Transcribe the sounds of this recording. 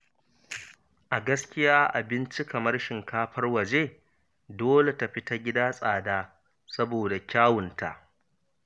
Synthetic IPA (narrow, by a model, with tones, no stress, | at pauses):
ʔa˨ɡɐ˦skʲɪ˦jaː˦ʔa˨bɪ˦nt͡ʃi˦kɐ˨mɐ˦rʃɪ˨ŋkaː˦ɸɐ˦rwɐ˨d͡ʒeː˦ | doː˦le˨ta˨ɸi˦ta˦ɡʲɪ˦daː˦sʼaː˨daː˦ | sɐ˦boː˨da˨kʲaː˦wʊ˨nta̰˨ʔ